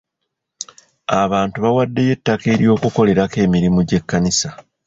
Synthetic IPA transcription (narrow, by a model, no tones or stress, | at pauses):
aβaːntuβawadːe̞je̞tːake̞ːɾjo̞ːkuko̞le̞ɾake̞ːmiɾimuɟe̞kːanisa